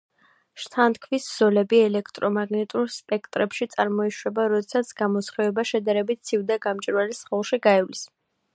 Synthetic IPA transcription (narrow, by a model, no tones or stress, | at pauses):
ʃt̪ʰant̪kʰvisz̥ɔlɛbiɛlɛkʰt̪ʼɾɔmaɡnɛt̪ʼuɾspʼɛk̚ʰt̪ʼɾɛpʃit̪sʼaɾmɔiʃwɛbaɾɔd̪ɛsat̪sʰɡ̥amɔsχɛɛbaʃɛd̪aɾɛbit̪̚t̪sʰivd̪aɡamt͡ʃʼiɾwalisχɛlˠʃiɡaɛvlis